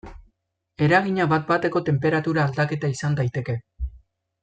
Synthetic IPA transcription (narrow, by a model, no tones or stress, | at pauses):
e̞ɾaɣiɲaβat̪̚bat̪e̞ko̞t̪e̞mpe̞ɾat̪uɾaːld̪ake̞t̪aisand̪ajt̪e̞ke̞